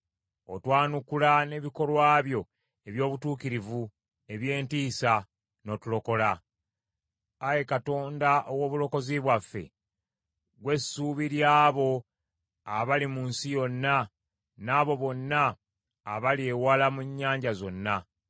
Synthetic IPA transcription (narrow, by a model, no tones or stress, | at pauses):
o̞twaːnukulane̞βiko̞lwaːβjo̞ | e̞βjo̞ːβutuːkiɾivu | e̞βje̞ːntiːsa | no̞tulo̞ko̞la | aje̞kato̞ːndaʔowo̞ːβulo̞ko̞ziβwafːe̞̰ | ɡwe̞sːuːβiɾjaːβo̞ | aβalimuːnsijo̞nːa | naːβo̞βo̞nːaː | βalie̞walamuɲːaːɲɟazo̞nːa